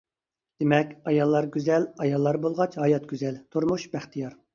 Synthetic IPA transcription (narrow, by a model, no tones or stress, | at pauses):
d̪̥emɛkʲɑjɑlˠːɑɾɡʲyzɛlɑjɑlˠːɑɾbolˠʁɑt͡ʃhɑjɑt̪̚ɡʲyzɛlt̪ʰuɾmuʃbæχt̪ʰijɑɾ